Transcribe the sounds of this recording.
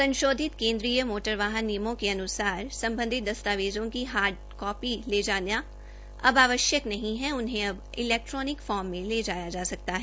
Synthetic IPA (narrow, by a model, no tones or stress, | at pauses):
sɐ̃nʃoːd̪ʱɪt̪kẽːnd̪ɾiːjəmoːʈəɾʋaːɦənːijəmõkeɐnʊsaːɾsɐ̃mbə̃nd̪ʱɪt̪̚d̪ɐst̪aːʋeːzõkiɦaːɾɖ | kɔːpileːd͡ʒaːnja | ɐbaːʋəʃjəknɐɦĩɦɛʊnɦẽɐb | ɪlɛːk̚ʈɾɔːnɪkfɔːɾmːẽleːd͡ʒaːjad͡ʒaːsɐk̚t̪aɦɛː